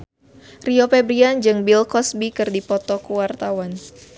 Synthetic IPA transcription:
riopɛbɾiand͡ʒɨŋbilkɔsbikɨrdipɔt̪ɔkuwart̪awan

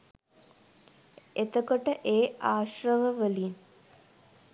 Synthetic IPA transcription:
et̪əkoʈəʔeːaːʃrəʋəʋəlin

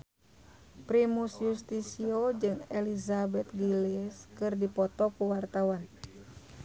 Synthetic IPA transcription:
pɾimusjust̪isiod͡ʒɨŋɛlizabɛt̪̚ɡiliskɨrdipɔt̪ɔkuwart̪awan

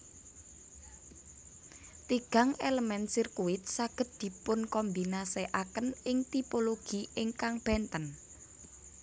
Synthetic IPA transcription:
t̪iɡ̥a̤ŋeləmɛnsirkuwɪt̪̚saɡ̥ə̤t̪̚d̪̥i̤pʊnkɔmbinaseʔakənɪŋt̪ipoloɡ̥iɪŋkaŋb̥ɛnt̪ən

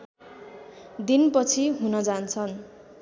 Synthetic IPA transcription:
d̪inpʌt͡sʰiɦunʌd͡zant͡sʰʌn

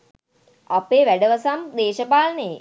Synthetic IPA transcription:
apeːʋæɖəʋəsamd̪eːʃəpaːləne

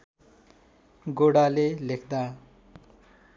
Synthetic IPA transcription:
ɡoɽalelekʰd̪a

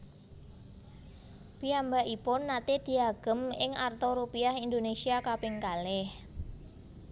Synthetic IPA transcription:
piambaʔipʊnːat̪ed̪̥i̤aɡ̥ə̤mɪŋart̪oɾupiaɦind̪onesiakapɪŋkalɛh

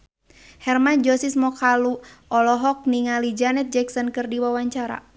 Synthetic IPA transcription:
hɛrmand͡ʒɔsismɔkaluɔlɔɦɔk̚niŋalid͡ʒanɛt̪̚d͡ʒɛksɔnkɨrdiwawaɲt͡ʃaɾa̰

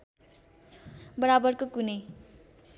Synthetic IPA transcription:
bʌɾabʌrkokunʌj

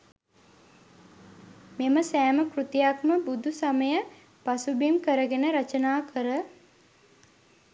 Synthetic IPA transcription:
meməsæːməkrut̪ijakməbud̪ʱusaməjə | pasubimkəɾəɡenəɾat͡ʃənaːkʰəɾə

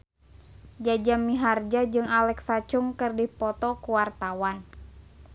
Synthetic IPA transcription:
d͡ʒad͡ʒamːiɦard͡ʒad͡ʒɨŋalɛksat͡ʃʊŋkɨrdihpɔt̪ɔkuwart̪awan

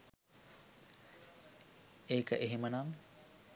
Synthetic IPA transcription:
eːkəʔeɦemənaŋ

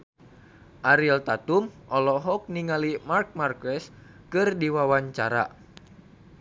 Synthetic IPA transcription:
ʔaɾilt̪at̪umʔɔlɔɦɔk̚niŋalimark̚markɛs | kɨrdiwawaɲt͡ʃaɾa̰

